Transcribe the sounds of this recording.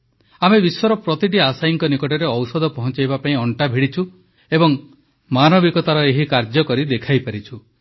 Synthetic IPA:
amebiswɔɾɔpɾɔt̪iʈ̬iasajiŋkɔnikɔʈɔɾeɔwsɔd̪ʱɔpɔɦɔ̃t͡ʃajbapaĩɔɳʈabʱiɽit͡ʃʰu | ebɔŋ | manɔbikɔt̪aɾɔeɦikaɾd͡ʒjɔkɔɾid̪ekʰajpaɾit͡ʃʰu

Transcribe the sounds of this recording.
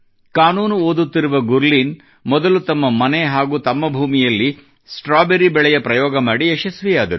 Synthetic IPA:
kaːnuːnuoːd̪ut̪ːiɾuʋɐɡuɾliːn | mɔd̪ɐlut̪ɐmːɐmɐneɦaːɡuːt̪ɐmːɐbʱuːmijɐlːi | sʈɾaːbeɾibɛɭɛjɐpɾɐjɔːɡɐmaːɽiɛʃɐsʋijaːd̪ɐɾu

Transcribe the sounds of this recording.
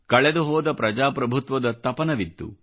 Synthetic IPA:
kɐɭɛd̪uɦɔːd̪ɐpɾɐd͡ʒaːpɾɐbʱut̪ʋɐd̪ɐt̪ɐpɐnɐʋid̪ːṵ

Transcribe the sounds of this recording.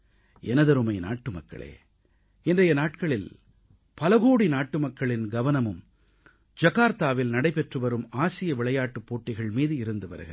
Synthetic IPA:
ɛnɐðɐɾɯmɐɪna̰ːʈːɯmɐkːɐ̰ɭḛː | ɛndrɐjɐnaːʈkɐɭɪl | pɐlɐɣoːɽinaːʈːɯmɐkːɐɭɪnɡɐʋɐnɐmɯm | d͡ʒɐɣaːɾt̪aːʋɪlnɐɽɐɪpɛʈrɯʋɐɾɯmaːsɪjɐʋɪɭɐjaːʈːɯpːoːʈːɪɣɐɭmiːðɯɪɾɯnd̪ɯʋɐ̰ɾɯɣɐɾ

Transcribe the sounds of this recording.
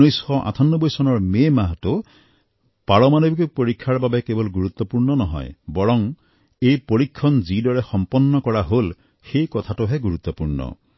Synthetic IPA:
ujsxɔʔa̰t̪ʰɔnːɔbɔjsɔnɔɹmemaɦtu | paɭɔmanɔbikɔpoɾikʰːaɹbabekebɔlɡuɾut̪ːɔpuɹnɔnɔɦɔ̰jbɔɹɔm | ejpoɹikʰːɔnd͡ʒidɔɹexɔmpɔnːɔkɔɹaɦol | xejkɔt̪ʰatuɦeɡuɾut̪ːɔpuɹnɔ̰

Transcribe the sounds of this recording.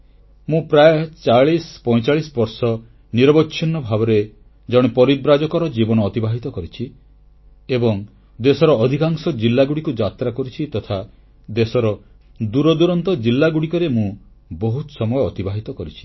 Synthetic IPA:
mũpɾajet͡ʃaɭispɔ̃jt͡ʃaɭisbɔɾsɔ | niɾɔbɔtːʃʰinːɔbʱabɔɾe | d͡ʒɔɽ̃ipɔɾidɾad͡ʒɔkɔɾɔd͡ʒibɔnɔːt̪ibaɦit̪ɔkɔɾit͡ʃʰi | ebɔŋ | d̪esɔɾɔːd̪ʱikaŋsɔd͡ʒilːaɡuɽikud͡ʒat̪ɾakɔɾit͡ʃʰit̪ɔt̪ʰa | d̪esɔɾɔ | d̪uɾɔd̪uɾɔnt̪ɔd͡ʒilːaɡuɽikɔɾemũ | bɔɦut̪sɔmɔjɔːt̪ibaɦit̪ɔkɔɾit͡ʃʰi̥

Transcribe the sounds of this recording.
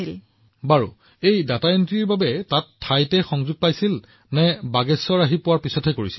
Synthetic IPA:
il | baɹṵ | ejdataentɹiɹbabɛtatʰːajtɛxɔŋzuɡ̚pajsil | nɛbaɡɛsːɔɹaɦipʊwaɹpisɔtʰɛkoɹisi̥l

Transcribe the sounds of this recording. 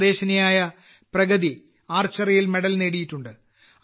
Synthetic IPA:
ðe̞ːɕɐnɐjaːjɐ | prɐɣɐði | aːrt͡ɕːɐrɐjilme̞ɽɐlne̞ːɽijiʈːuɳɖɨ

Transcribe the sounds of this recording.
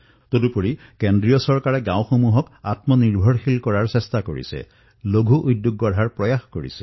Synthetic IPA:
todupoɹikendɹijɔsɔɹkaɹɛɡãw̃xomuɦɔkatmɔniɹbʱɔɹxilkɔɹaɹsɛstako̰ɹḭsɛ̰ | loɡʱuʔujdjuɡːɔɹʱaɹpɹɔjaxkoɹḭsɛ̥

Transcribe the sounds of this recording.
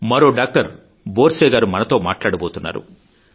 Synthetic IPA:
mɐɾoːɖaːk̚ʈɐɾ | boːɾsɛːɡaːɾumɐnɐt̪o̞ːmaːʈlaːɽɐboːt̪unːa̰ːɾṵ

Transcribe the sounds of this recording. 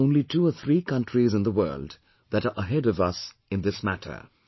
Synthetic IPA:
õʊ̃nlituəθʰɾiːkʌ̃ntɹizɨ̃nd̪əwɜ̰ːld | ðæɾəʔəɦɛɾʌvʌs | ɨ̃nd̪ɪsmætʰə̰˞

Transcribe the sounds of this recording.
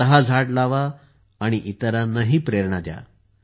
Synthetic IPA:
əɦad͡zʱaʈlaʋaː | ɽ̃iʔit̪əɾanəɦiːpɾeɾɳad̪ja̰

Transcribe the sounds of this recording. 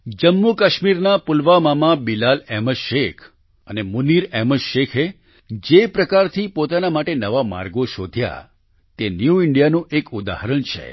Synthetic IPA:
d͡ʒəmːukəʃmiɾnapʊlʋamamabilalɛməʃekʰ | ənemuniɾeməʃekʰe | d͡ʒepɾəkaɾt̪ʰipot̪anamaʈenəʋama̰ɾɡoʃod̪ʱja̰ | t̪enjuiɳɖijanũʔekud̪a̰ɦəɾəɳt͡ʃʰḛ

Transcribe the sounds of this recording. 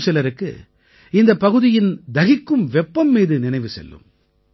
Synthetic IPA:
sɛlɐɾɯkːɯ̰ | ɪnd̪ɐpːɐɣɯðɪjɪnd̪ɐɣɪkːɯmʋɛpːɐmːiːðɯnɪnɐɪʋɯsɛ̰lːɯ̰m

